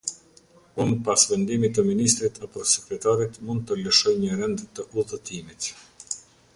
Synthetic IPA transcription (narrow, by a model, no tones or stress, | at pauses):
unpasvɛnd̪imit̪əminist̪ɾit̪ʰapɔsɛkɾɛt̪aɾit̪mund̪̚t̪ələʃɔjɲəɾɛnd̪t̪əʔuðət̪imit̪